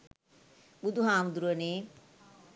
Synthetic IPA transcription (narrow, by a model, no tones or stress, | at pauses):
bud̪ʱuɦaːmd̪ɾuəneː